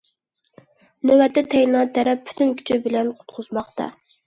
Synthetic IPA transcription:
nøwɛt̪ːɛt̪ʰɛjnɑt̪ʰɛɾɛp̚ːʰy̥t̪ʰynkʲʰy̥t͡ʃʰɪbɪlɛnqʰʊ̥t̪qʰʊzmɑχt̪ɑ̰

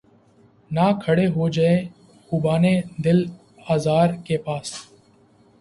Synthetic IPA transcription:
naːkʰəɽeːɦoːd͡ʒaẽː | xuːbaːneːd̪ɪl | aːzaːɾkeːpaːs

